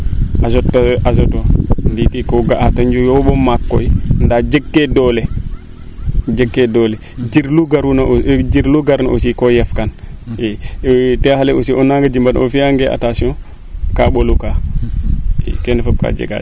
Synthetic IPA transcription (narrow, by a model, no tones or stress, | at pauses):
asɔtːʔasɔtɔnditikɔɡaʔataɲd͡ʒujɔɓɔmakːɔ̰indad͡ʒɛkːɛdɔlɛ | d͡ʒɛɡːɛdɔlɛ | d͡ʒiɾluɡaɾunad͡ʒiɾluɡaɾnaʔo̰sikɔjɛfkanɛtɛhalɛosiɔnːaŋɡad͡ʒimbanofiaŋɡɛʔa̰tasiɔ̃ | kaɓoluka | ɛ̰kɛnɛfap̚ka̰d͡ʒɛ̰ɡa̰